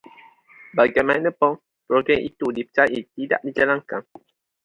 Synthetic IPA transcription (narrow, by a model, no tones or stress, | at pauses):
baɡajmanəpɔŋ | pɾoɡɛŋʔḭt̪udipə̥t͡ʃaʔit̪ida̰ʔdid͡ʒalaŋkan